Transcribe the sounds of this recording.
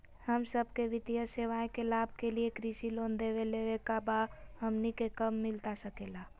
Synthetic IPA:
həmsəb̚ʱkeʋɪt̪ijəseʋaẽkelaːb̚ʱkeliekɾisiloːnd̪eʋeleʋekabaɦəmnikekəmːɪlt̪asəkela

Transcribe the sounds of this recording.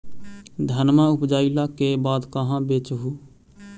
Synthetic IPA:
d̪ʱənmaʊpd͡ʒaːilakebaːd̪kəɦãbeːt͡ʃɦuː

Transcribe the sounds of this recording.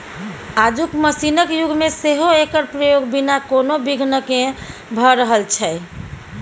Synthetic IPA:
ad͡ʒukməsinəkjuɡʱmeseɦoekəɾpɾəjoɡbinakonobiɡʱnəkẽbʱəɾəɦəlt͡ʃʰɛ

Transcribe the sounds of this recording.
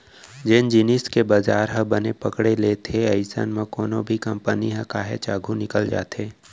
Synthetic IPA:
d͡ʒɪnd͡ʒɪnɪskebazaːɾɦə̃bənepəkɽeleːt̪ʰeɐɪsə̰nmẽkɔːnobʱikɐ̃mpəniɦɛ̃kaːɦḛt͡ʃaːɡʱunɪkəld͡ʒa̰ːt̪ʰeː

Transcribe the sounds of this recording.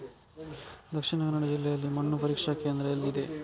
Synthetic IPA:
d̪ɐkʂiɳɐɡɐnɐɽɐd͡ʒilːɛjɐlːimɐɳːupɐɾiːkʂɐkeːnd̪ɾɐjɐlːid̪e̞

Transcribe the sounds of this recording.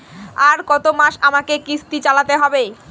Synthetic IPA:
aɾkɔt̪omaʃamakekist̪it͡ɕalat̪eɦɔbe

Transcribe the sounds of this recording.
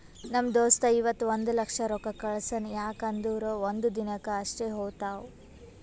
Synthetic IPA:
nɐmd̪oːst̪ɐiʋɐt̪ːuond̪ulɐkʂɐɾɔkɐkɐɭɐsɐnjaːkɐnd̪uːɾoːʋond̪ud̪inɐkɐɐʂʈeːɦoːt̪aːwu

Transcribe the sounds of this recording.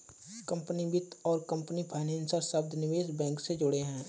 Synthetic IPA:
kɐ̃mpənibɪt̪ɔːɾkə̃mpənipʰaɪnɛ̃ːnsəɾsəbd̪ʱnɪʋeːsbɛ̃ːŋksed͡ʒʊɽeɦɛ̃ː

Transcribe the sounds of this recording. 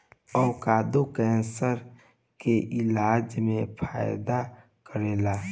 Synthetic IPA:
ɔːkaːd̪ukɛ̃ːnsəɾ | keʔɪlaːd͡ʒmẽpʰaːjd̪a | kəɾeːla

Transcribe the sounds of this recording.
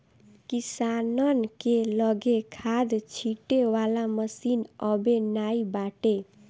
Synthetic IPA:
kisanənkelʌɡekʰad̪t͡ʃʰiʈewalaməsinʌbenaibaʈe

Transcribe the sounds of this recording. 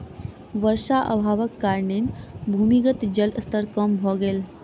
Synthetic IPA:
ʋəɾʂaʔə̰bʱaʋəkːaɾɳenbʱumiɡət̪d͡ʑələst̪əɾkəmbʱoɡel

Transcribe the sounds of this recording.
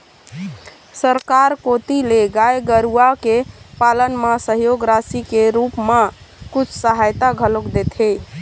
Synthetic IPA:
səɾkaɾkot̪ileɡajɡəɾuakepalənmasəɦjoɡɾasikeɾupma | kut͡ʃʰsəɦajt̪aɡʱəlokd̪et̪ʰɦe

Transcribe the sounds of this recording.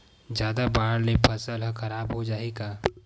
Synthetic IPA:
d͡ʒjaːd̪abaːɽlepʰɐsəlɦkɐɾaːbɦod͡ʒaːeːɡaː

